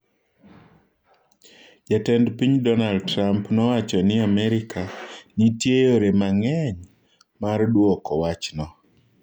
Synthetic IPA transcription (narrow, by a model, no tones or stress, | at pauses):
d͡ʒatɛndpiɲdɔnaldtɾampnɔwat͡ʃɔnɪamɛɾɪkanitjejoɾemaŋɛɲ | mardwɔkɔwat͡ʃnɔ